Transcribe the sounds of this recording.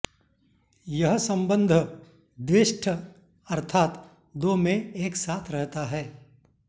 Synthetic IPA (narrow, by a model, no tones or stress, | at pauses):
jɐɦsɐ̃mbə̃nd̪ʱ | d̪ʋɪʃʈʰə | ɐɾt̪ʰaːt̪ | d̪oːmẽeːksaːt̪ʰɾɛɦt̪aɦɛː